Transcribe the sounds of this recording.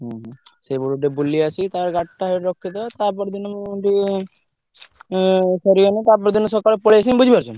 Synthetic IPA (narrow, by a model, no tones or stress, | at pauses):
ɦɛ̃ɦsebɔɾuɖebuliasit̪aɾɡaʈːaɦɔjɾɔkʰːit̪ɔt̪aɾp̬ɔɾd̪inmʈi | sɔɾijɔnit̪aɾpɔɾd̪inosɔkaɭepɔɭiasinbud͡ʒʱibaɾt͡ʃʰun